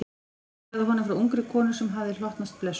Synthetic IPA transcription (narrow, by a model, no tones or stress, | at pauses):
ðaɦɔnʏfɾawuŋkɾɪkʰɔːnʏsɛmɦavðɪl̥ɔht̪nast̪̚plɛs